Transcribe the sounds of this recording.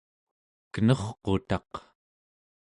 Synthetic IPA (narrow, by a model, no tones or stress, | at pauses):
kənʌχqo̞̰t̪ɑq